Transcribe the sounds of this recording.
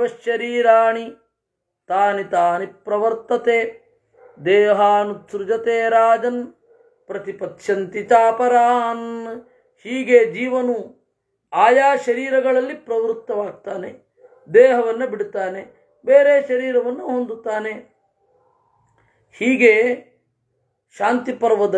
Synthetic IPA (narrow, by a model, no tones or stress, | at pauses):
ɐʃːɐɾiːɾaːɳi | t̪aːnit̪aːnipɾɐʋɐɾt̪ɐt̪eː | d̪ɛːɦaːnutsɾud͡ʒɐt̪eːɾaːd͡ʒɐn | pɾɐt̪ipɐt̪ʃɐnt̪it͡ʃaːpɐɾaːn | hiːɡed͡ʒiːʋɐnu | aːjaːʃɐɾiːɾɐɡɐɭɐlːipɾɐʋɾut̪ːɐʋaːɡ̚t̪aːne | d̪eːɦɐʋɐnːɐbiɽut̪aːne | beːɾeːʃɐɾiːɾɐʋɐnːuɦond̪ut̪aːne | hiːɡe | ʃaːnt̪ipɐɾʋɐd̪ɐ